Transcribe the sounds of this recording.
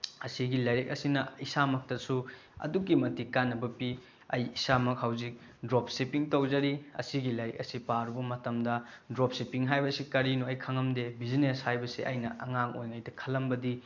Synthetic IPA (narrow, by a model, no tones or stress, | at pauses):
ɐsiɡilajɾek̚ɐsinɐisamɐk̚tɐsu | ɐ̰dukːimɐtikanːɐbɐpi | ɐjisamɐk̚hawzik̚ | dɾop̚sepiŋtowd͡ʒɐɾiɐ̰siɡilɐjɾḛk̚ɐsipaɾubɐmɐtɐmdɐ | dɾop̚sipiŋɦajbɐsikɐɾinuɐjkʰaŋɐmdebizineshajbɐsiʔɐjnɐʔɐŋaŋo̰jŋajdɐkʰɐlːɐmbɐdi